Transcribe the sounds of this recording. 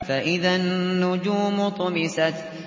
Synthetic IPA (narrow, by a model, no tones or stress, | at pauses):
faʔɪðanːʊd͡ʒuːmʊt̪ˤʊmɪsat̪